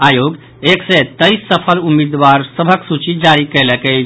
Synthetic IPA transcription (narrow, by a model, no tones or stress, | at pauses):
ajoɡ | ekset̪əɪsːəpʰəlumid̪ʋaɾsəbʱəksut͡ʃid͡ʒaɾikəɪlɛkəɪt͡ʃʰ